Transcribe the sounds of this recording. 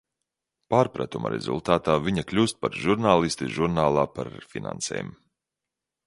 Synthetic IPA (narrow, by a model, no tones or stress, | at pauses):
paːɾpɾa̰t̪uma̰ɾɛ̰zṵlˠt̪aːt̪aːviɲaklʲuːst̪̚paɾʒuɾnaːlˠist̪iʒuɾnaːlˠaːpaɾfina̰nsɛ̰ːjm